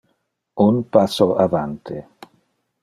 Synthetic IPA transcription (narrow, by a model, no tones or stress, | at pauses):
unpasoʔavant̪ʰi